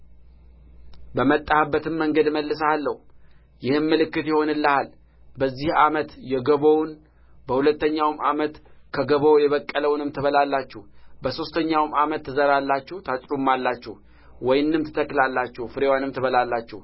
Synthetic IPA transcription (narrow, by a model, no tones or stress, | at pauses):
bəmət̪ʼːahbːət̪ɨmːəŋɡəd̪məlːɨsalːəhu | jɪhɨmːɨlɨkːɨt̪jɛho̞nɨlːəhal | bəzːihamət̪jɛɡəβown | bəhulət̪ːəɲːawmʔamət̪kʰəɡəβojɛβəkʼːələwnɨmt̪ʰɨβəlalːat͡ʃːuhbəso̞st̪ʰəɲːawmamət̪ːɨzəɾalːat͡ʃːuht̪ʰasʼɾumːalːat͡ʃːɛh | wɔjnɨmt̪ʰɨ̥t̪ʰəkːlalːat͡ʃːuhfɨɾewanɨmt̪ʰɨβəlalːat͡ʃːɛh